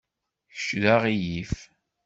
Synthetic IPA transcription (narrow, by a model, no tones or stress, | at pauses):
çə̥ʃðaʁijif